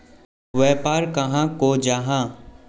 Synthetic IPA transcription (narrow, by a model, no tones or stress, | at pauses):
ʋɛːpaːɾkɐɦãkod͡ʒaɦã